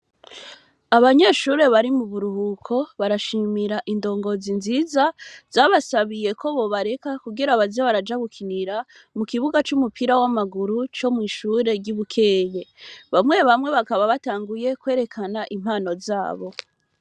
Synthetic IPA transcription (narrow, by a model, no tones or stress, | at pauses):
aβaɲeʃuːɾe̞βaɾimuβuɾuhukʰo̞βaɾaʃimiɾaʔindo̞ːŋɡo̞zinzizaz̥aβasaβije̞kʰo̞βo̞βaɾe̞kakuɡiɾaβazoβaɾad͡ʒaɡukʰiniɾa | mukiβuɡat͡ʃumupʰiɾawamaɡuɾut͡ʃo̞mŋiːʃuːɾe̞ɾɟuβukʰe̞ːje̞βamŋe̞βamŋe̞βakaβaβataːŋɡuje̞kwe̞ːɾe̞kʰanaʔim̥haːno̞zaːβo̞